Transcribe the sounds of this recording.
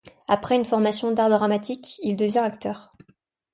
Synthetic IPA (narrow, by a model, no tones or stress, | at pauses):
apχɛynfɔʁmasjɔ̃d̪aʁd̪ʁamat̪ikild̪əvjɛ̃akt̪œːʁ